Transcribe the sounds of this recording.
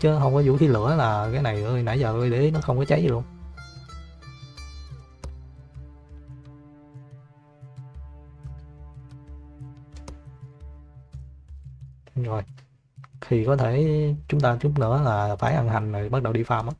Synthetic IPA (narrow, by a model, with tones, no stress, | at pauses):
t͡ɕɨ˨˦ɦə˧wŋ͡mkɔ˨˦zṵ˧˥xʰi˨˦lɨ̰˧˩˦əlaː˨˩kaː˨˦jna˨˩jʔəː˧jna̰˧˩˦jzəː˨˩ɓə˧jɗe˨˦nɔ˨˦xə˧ŋ͡mkɔ˨˦t͡ɕa˨˦ji˨˩lu˧ən | zo˨˩j | xʰi˨˩kɔ˨˦t̪ʰe˧˩t͡ɕʊ˨˦ŋ͡mt̪aː˧t͡ɕʊ˦˥p̚nɨ̰˧˥əlaː˨˩faː˧˩jʔa˧nɦa˨˩jŋ̟no˨˩ɓa˦˥t̚ɗə˨˩wɗi˧faː˧mʔaː˨˦